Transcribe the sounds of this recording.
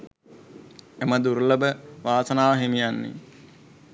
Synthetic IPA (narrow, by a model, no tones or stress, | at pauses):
eməd̪uɾləbəʋaːsənaːʋɦemijanːḛ